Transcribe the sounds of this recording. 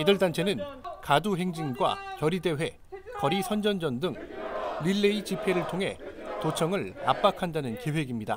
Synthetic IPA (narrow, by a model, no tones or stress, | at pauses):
idɯɭtant͡ɕʰe̞nɯnkaduɦe̞ŋd͡ʑiŋɡwa̰kjʌɾide̞we̞ | kʌɾisʰʌnd͡ʑʌnd͡ʑʌndɯŋliɭːeit͡ɕipʰe̞ɾɯɭtʰoŋɦe̞̰tot͡ɕʰʌŋɯɭa̰p͈akʰandanɯnke̞we̞ɡimɲida̰